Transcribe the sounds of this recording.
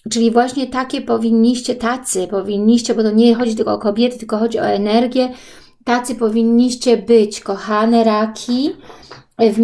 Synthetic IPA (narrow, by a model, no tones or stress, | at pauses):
t͡ʂɘlʲivwaɕɲɛt̪akʲɛpɔvʲiɲːiɕt͡ɕɛt̪at̪sɘpɔvʲiɲːiɕt͡ɕɛbɔt̪ɔɲɛxɔd͡ʑit̪ɘlkɔːkɔbʲjɛt̪ɘt̪ɘlkɔxɔd͡ʑiɔɛnɛɾɡʲjɛ | t̪at̪sɘpɔvʲiɲːiɕt͡ɕɛbɘt͡ɕkɔxanɛɾakʲʰi | v